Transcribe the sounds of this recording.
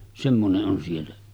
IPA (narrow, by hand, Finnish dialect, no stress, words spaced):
semːoneʔ ʔon sielːæ